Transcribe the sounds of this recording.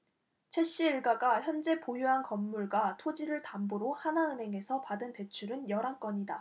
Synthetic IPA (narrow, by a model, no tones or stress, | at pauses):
t͡ɕʰe̞ɕ͈iːɭɡaɡaçjʌnd͡ʑe̞pojuɦankʌmːuɭɡwatʰod͡ʑiɾɯɭtamboɾohanaɯnɦe̞ŋe̞sʰʌpadɯnte̞t͡ɕʰuɾɯnjʌɾaŋk͈ʌɲida